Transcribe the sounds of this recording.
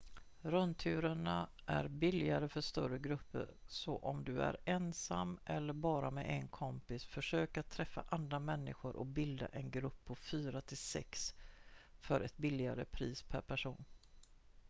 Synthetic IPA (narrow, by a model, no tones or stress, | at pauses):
ɾœnt̪ʰʉ̟ːɾəɳa | ʔæɾbɪlɪɡaɾəfœʂt̪œɾəɡɾɵpːə̰ɾsɔʔɔmd̪ɵæ̰ɾɛnsamːʔɛlːəɾbɑːɾamɛʔɛnkʰɔmpɪsfœʂøːkat̪ʰːɾɛfːa̰ʔand̪ɾamɛnːɪɧʊɾʔɔ̰bɪld̪a̰ʔɛnɡɾɵpʰːɔfyːɾat̪ʰɪlsɛ̰ks | fœɾʔɛt̪̚bɪlːɪɡaɾə̰pʰɾiːspʰæɾpʰæʂuːn